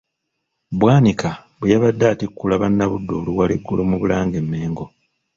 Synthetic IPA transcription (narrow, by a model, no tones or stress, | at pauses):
βwaːnikaβujaβadːaːtikːulaβanːaβudːoːluwaleɡːulomuβulaːŋɡe̞mːe̞ːŋɡo̞